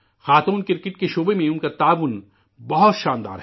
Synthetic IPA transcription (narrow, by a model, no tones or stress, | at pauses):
xaːt̪uːnkɪɾkɪʈkeʃoːbemẽʊnkat̪aːʋʊn | bɐɦʊt̪ʃãːnd̪a̰ːɾɦɛ